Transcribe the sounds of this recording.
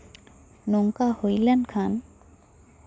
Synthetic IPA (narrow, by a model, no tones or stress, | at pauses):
nɔŋkahojlɛnkʰan